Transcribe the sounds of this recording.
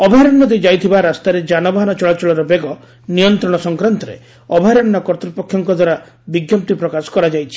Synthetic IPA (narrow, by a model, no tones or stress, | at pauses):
ɔbʱaɾɔɳːɔd̪ed͡ʒajt̪ʰibaɾast̪aɾed͡ʒanɔbaɦɔnɔt͡ʃɔɭat͡ʃɔɭɔɾɔbeɡɔ | nijɔnt̪ɾɔɽ̃ɔsɔŋkɾant̪ɔɾḛ | ɔbʱaɾɔɳːɔkɔɾt̪ɾipɔkʰːjɔŋkɔd̪waɾa | biɡjɔmp̚t̪ipɾɔkasɔ̥kɔɾad͡ʒajt͡ʃʰi̥